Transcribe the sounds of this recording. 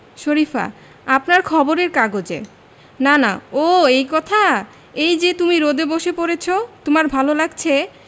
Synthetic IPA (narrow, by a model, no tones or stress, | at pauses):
ʃoɾifa̰ | apnaɾkʰɔboɾeɾkaɡod͡ʑḛ | nana̰oejkɔt̪ʰa | ejd͡ʑet̪umiɾod̪eboʃepoɾet͡ɕʰot̪omaɾbʱalolaɡ̚t͡ɕʰe